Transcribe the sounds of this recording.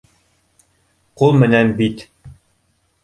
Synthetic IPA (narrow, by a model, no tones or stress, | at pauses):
qulˠmɘ̆nænbit̪